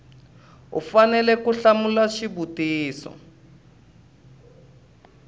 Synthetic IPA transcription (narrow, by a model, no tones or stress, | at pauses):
ṵfanɛlɛkuɬamulaʃiβutiːsɔ̰